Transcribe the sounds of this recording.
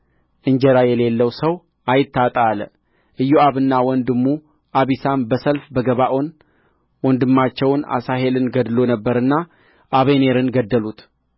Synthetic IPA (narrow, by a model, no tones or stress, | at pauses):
ʔɨɲd͡ʒɛɾajɛle̞lːəwsəw | ʔajɪt̪ʰːat̪ʼalə | ʔɨjːoaβɨnːawɔnd̪ɨmːu | ʔaβisambəsəlfbəɡəβaʔo̞n | wɔnd̪ɨmːat͡ʃːɛwna̰saɦe̞lɨnɡəd̪ɨlo̞nəbːəɾɨnːa | ʔaβene̞ɾɨnɡəd̪ːəlut̪